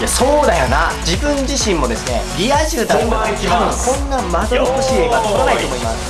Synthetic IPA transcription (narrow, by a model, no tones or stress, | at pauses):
jaso̞ːd̪ajonad͡ʑibɯ̟̃ɲ̟d͡ʑiɕĩmːo̞d̪e̞sɨne̞̰ɾʲiaiʑɨːd̪amat̪ʰabɯ̟̃ŋkõ̞nːamad̪oɾokoɕiːeɡat̪okonait̪o̞ːmo̞imasɨ̥